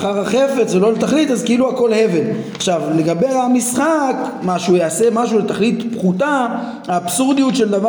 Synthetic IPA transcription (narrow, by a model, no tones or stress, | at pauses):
χaʁaχe̞fe̞t͡svelo̞let̪aχlit̪azkeiluako̞lhe̞ve̞naχʃavle̞ɡabe̞amisχakmaʃujaːse̞maʃulet̪aχlitpχuta | haːbsuʁd̪ijut̪ʃe̞ld̪ava